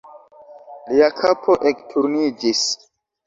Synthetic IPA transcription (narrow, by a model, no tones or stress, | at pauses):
liakʰapʰo̞ʔektʰuɾnid͡ʒis